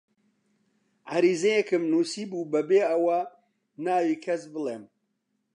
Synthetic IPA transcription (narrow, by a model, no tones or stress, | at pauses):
ʕaɾiːzejɛkɨmnuːsiːbuːbɐbeːɐwɐ | naːwiːkʰɐsbɨleːm